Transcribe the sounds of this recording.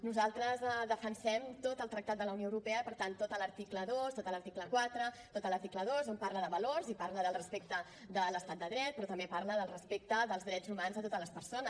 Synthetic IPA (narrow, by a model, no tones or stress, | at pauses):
nuzalˠt̪ɾəzðəfənsɛmt̪ot̪əlˠt̪ɾək̚t̪at̪d̪ələwnioəwɾupɛəpəɾt̪ant̪ot̪ələɾt̪ikləðost̪ot̪ələɾt̪ikləkwat̪ɾət̪ot̪ələɾt̪ikləð̞ozompaɾləðəβəloɾzipaɾləðəlˠrəspek̚t̪ə | d̪ələst̪at̪̚d̪əðɾɛt̪̚pɾɔt̪əmbepaɾləðəlˠrəspek̚t̪əðəlˠzðɾɛd͡zumanzðət̪ot̪əzləspəɾsonəs